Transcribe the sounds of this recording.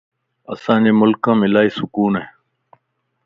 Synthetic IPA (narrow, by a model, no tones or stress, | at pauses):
ə̰sãːd͡ʑeːmʊlkãːmɪlaːiːsʊkuːne